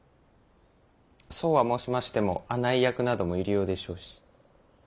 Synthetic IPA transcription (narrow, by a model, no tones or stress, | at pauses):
so̞ːβamo̞ːɕimaɕi̥t̪e̞mo̞̰anaijakɯ̟nad̪o̞mo̞iɾijo̞ːd̪e̞ɕo̞ːɕi̥